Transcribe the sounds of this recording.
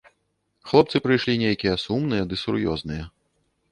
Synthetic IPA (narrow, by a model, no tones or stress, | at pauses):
xlˠɔpt̪sɨpɾɨjʂlʲinʲejkʲijɐsumnɨjɐd̪ɨsuɾjɔ̰znɨjɐ